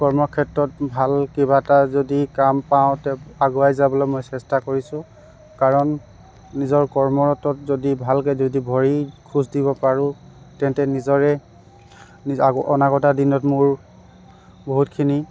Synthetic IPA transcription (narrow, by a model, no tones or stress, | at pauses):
kɔɹmɔkʰɛtɹɔtbʱalkɛbatazodikampaʊ̃tɛaɡʊajzabɔlɔmojsɛstakoɹisʊ̃ | kaɹɔnː | izɔɹkɔɹmɔɹɔtɔtzodibʱalkɛzodibʱɔɹikʰuzdibɔpaɹʊ̃ | tɛntɛnizɔɹɛ | niaɡɔnakɔtadinɔtmʊɹ | boɦutkʰini